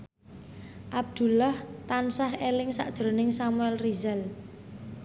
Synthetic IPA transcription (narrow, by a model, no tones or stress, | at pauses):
ʔab̚d̪̥ṳlaht̪ansaɦelɪŋsa̰ʔd̥ʒ̥ɾo̤nɪŋsamuɛlrizɛl